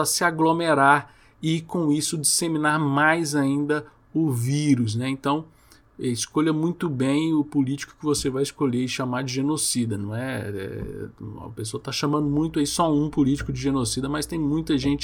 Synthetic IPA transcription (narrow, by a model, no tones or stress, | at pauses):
ɐsɪaɡlomeɾaɾ | ɪkõisʊd͡ʒisemĩnaɾmajzaĩnd̪ɐ | ʊviɾʊs̬nɛẽnt̪ɐ̃w̃ | ɛɪskoʎɐmũj̃t̪ʊbẽj̃ʊpulit͡ʃi̥kʊ̥kɪvosevajɪskoʎeɾɪʃamaɾd͡ʒɪʒenosid̪ɐnɐ̃w̃ɛɛ̰ | ɐ̰pesoɐt̪aʃãmɐ̃nd̪ʊmũj̃t̪ʊaisɔũpulit͡ʃɪ̥kʊd͡ʒɪʒenosid̪ɐmɐst̪ẽj̃mũj̃t̪ɐʒẽnt͡ʃɪ